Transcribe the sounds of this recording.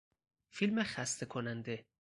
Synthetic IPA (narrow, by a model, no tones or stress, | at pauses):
filmexæst̪ʰekʰonænd̪e